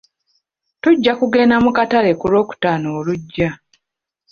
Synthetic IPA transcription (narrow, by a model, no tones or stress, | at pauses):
tuɟːakuɡe̞ːnamukatale̞kulo̞ːku̥taːnoːluɟːa